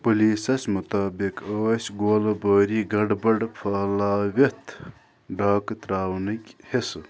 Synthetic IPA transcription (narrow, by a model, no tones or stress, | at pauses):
puliːsɐsmut̪aːbikəːsʲɡoːlɐbəːɾiːɡɐɖbɐɖfʰaːlaːwet̪ʰ | ɖaːkt̪ɾaːwnɐkʲhesɨ